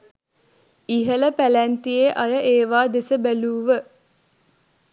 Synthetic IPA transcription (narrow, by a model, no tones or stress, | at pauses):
iɦələpælænt̪ieʔajəʔeːʋaːd̪esəbæluːʋə